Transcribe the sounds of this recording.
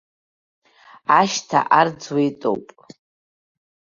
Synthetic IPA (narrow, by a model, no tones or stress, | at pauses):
aʃtʰa̰ʔard͡zwijtʼo̰wpʼ